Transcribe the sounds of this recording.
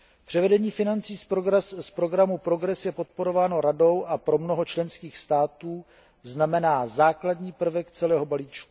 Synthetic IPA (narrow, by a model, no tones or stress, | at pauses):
pr̝̥ɛvɛdɛɲiːfɪnant͡siːsspɾo̞ɡɾamupɾo̞ɡɾɛsjɛpo̞t̪̚po̞ɾo̞vaːno̞ɾado̞wʔapɾo̞mno̞ɦo̞t͡ʃlɛnskiːxst̪aːt̪uː | znamɛnaːzaːkladɲiːpr̩vɛkt͡sɛlɛːɦo̞baliːt͡ʃku